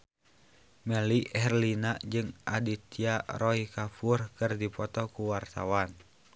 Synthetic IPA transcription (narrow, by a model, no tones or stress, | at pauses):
mɛliʔɛrlinad͡ʒɨŋʔa̰dit̪iarɔikafurkɨrdipɔt̪ɔkuwart̪awan